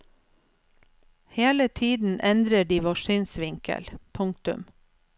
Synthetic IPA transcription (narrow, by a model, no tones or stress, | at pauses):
heːlət̪ʰiːd̪n̩ʔɛnd̪ɾəɖiːʋɑʃyːnsʋɪŋkə̰lpʰʊŋt̪ʉ̰m